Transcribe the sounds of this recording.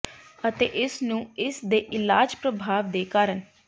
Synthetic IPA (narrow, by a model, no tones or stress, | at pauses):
ət̪ḛːʔɪsnũːɪsd̪eːʔɪlaːd͡ʒpɾəbʱaːʋd̪eːkaːɾən